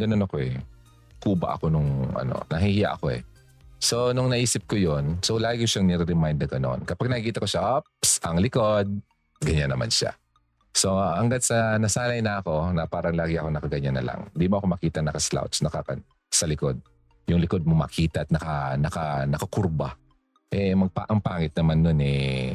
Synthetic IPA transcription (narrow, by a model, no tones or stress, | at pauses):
ɡɐnonɐko̞ʔɛ | kuːbɐ̰ʔɐ̰ko̞nʊŋʔɐ̰no̰nɐɦihɪja̰ʔɐko̞ʔɛ̰ | so̞nʊŋnɐʔiːsɪp̚kojonsolaːɡɪkʊʃaŋnɛɾɛɾɛmajnd̪ɐɡɐno̞̰nkɐpaɡ̚nɐkkiːt̪ɐko̞ʃaʔopsʔɐŋlɪko̞d̪̚ | ɡɐɲanːɐma̰nʃa̰ | so̞hɐŋɡad̪̚sɐnɐsaːnɐjnɐɐko̞nɐpaːɾɐŋlaːɡɪʔɐko̞nɐkɐɡɐɲanːɐ̰lɐ̰ŋɪnd̪imoʔɐko̞mɐkiːt̪ɐnɐkɐsla̰wt̪snɐkɐkɐ | sɐlɪko̞d̪̚ | jʊŋlɪko̞d̪̚momɐ̰kʰiːt̪ɐʔɐt̪nɐkɐnɐkɐnɐkɐkʊɾbɐ | ʔɛmɐɡ̚pa̰ʔɐŋpaːŋɪt̪̚nɐmanːonɛ̰